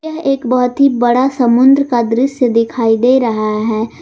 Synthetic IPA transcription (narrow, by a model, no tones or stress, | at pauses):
ɐɦeːkbɐɦʊt̪ɦibɐɽasɐmʊ̃nd̪ɾəkad̪ɾɪsjəd̪ɪkʰaːid̪eːɾɐɦaɦɛː